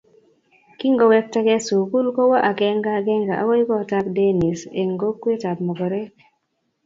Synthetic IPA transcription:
ki˦ŋɡɔ˦wɛ˦k̚tɛ˦kɛ˦su˨ku˦lkɔ˦wa˦ʔa˨kɛ˦ŋɡa˦ɡɛ˦ŋɡa˨ʔa̰˦wɔ˦ji˦kɔ˦˨ta˦kde˦ni˨se˨ŋɡo˦kːwe˦ta˨tmɔ˨ɡɔ˨ɾɛ˦k

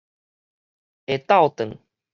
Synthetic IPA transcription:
e˨t̪a˥˨ʊwt̪ə˨˩ŋ

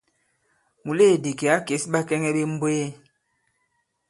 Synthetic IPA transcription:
mu˨leː˦˨di˨ke˨a˨˦ke˨˦sba˦kɛ˦ŋɛ˦bi˦m̩˦bwe˦e˦

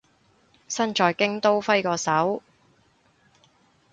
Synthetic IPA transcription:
sɐ˥nt͡ʃɔː˨˧jkɪ˥ŋt̪o˥wfɐ˥jkɔː˧sɐ˨˥w

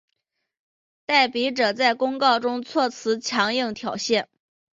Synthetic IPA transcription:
t̪a˥˩ɪpi˧˥ʈ͡ʂɤ˨˩t͡sa˥˩ɪkʊ˥ŋkɑ˥˩ʊʈ͡ʂʊ˥ŋt͡sʰwɔ˥˩t͡sʰɹ̩˧˥t͡ɕʰjɑ˧˥ŋji˥˩ŋt̪ʰjɑ˨˩ʊɕjɛ˥˩n

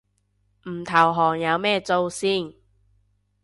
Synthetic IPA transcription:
m̩˨˩t̪ʰɐ˨˩wɦɔː˨˩ŋjɐ˨˧wmɛː˥˧t͡so˧wsiː˥˩n

